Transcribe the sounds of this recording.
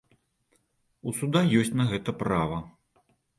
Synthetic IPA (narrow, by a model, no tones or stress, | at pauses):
usud̪ajɔsʲt͡sʲnɐɣɛt̪ɐpɾavɐ